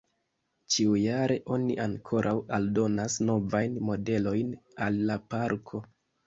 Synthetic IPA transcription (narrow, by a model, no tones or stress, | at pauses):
t͡ʃiujaɾe̞ʔo̞niʔaŋkʰo̞ɾʔawaldo̞nasno̞vajnmo̞de̞lo̞jnalːapaɾkʰo̞